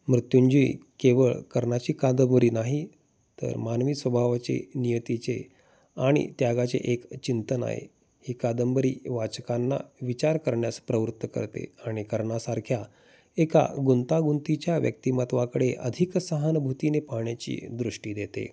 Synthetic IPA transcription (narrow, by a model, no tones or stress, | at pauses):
mɾut̪juɲd͡ʑiːkeʋəɭkəɾɳat͡ɕiːkad̪əmbəɾiːnaɦi | t̪ə̰ɾmanʋiːsʋəbʱaʋat͡sḛnijət̪it͡se | aɽ̃ḭt̪jaɡat͡sḛʔekt͡ɕint̪əna̰ɦḛ | hiːkad̪əmbəɾiːʋat͡ɕkanːa̰ʋit͡ɕaɾkəɾɳjaspɾəʋɾut̪ːəkə̰ɾt̪ḛaɽ̃ikəɾɳasaɾkʰja | eka̰ɡunt̪aɡunt̪it͡ɕjaʋjə̰k̚t̪imət̪ʋakəɽeʔə̰d̪ʱiksəɦanbʱut̪inepaɦɳjat͡ɕḭːd̪ɾuʂʈiːd̪et̪ḛ